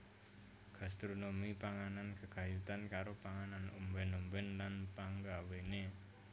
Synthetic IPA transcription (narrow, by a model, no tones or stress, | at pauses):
ɡ̥a̤st̪ɾonomipaŋanankəɡ̥a̤jut̪ankaɾopaŋananumbɛnumbɛnlanpaŋɡawene